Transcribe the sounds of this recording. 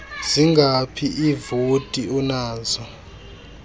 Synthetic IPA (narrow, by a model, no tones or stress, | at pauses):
z̥iŋɡapʰiʔivotʼiɔnaːzɔ